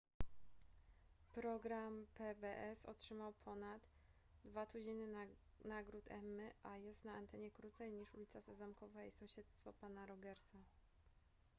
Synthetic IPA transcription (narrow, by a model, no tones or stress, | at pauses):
pɾɔɡɾampɛbɛʔɛsɔ̰tʂɘmawpʰɔnat̪ː | vat̪ud͡ʑejnɘ | naɡɾut̪ʰɛ̰mːɘʔajɛst̪naant̪ɛɲɛkɾut̪sɛjɲiʂulʲit̪sasɛzamkɔvaisɔ̃w̃ɕɛt̪st̪fɔpanaɾɔɡɛɾsa